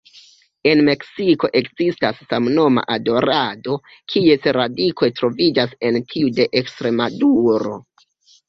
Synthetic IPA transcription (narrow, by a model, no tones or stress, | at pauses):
e̞nme̞ksiko̞ʔe̞kzistasːamno̞ma̰ʔado̞ɾado̞ | kʰie̞sɾadikʰo̞jtɾo̞vid͡ʒase̞ntʰiude̞ʔekstɾe̞maduɾo̞̰